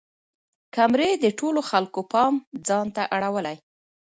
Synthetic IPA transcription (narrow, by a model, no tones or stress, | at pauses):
kamɾed̪əʈoloxalkopɑmd͡zɑnt̪aʔaɽawəlaj